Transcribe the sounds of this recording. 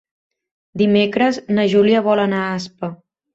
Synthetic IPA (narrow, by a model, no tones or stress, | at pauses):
d̪imekɾəznəʒuliəβɔlənaaspə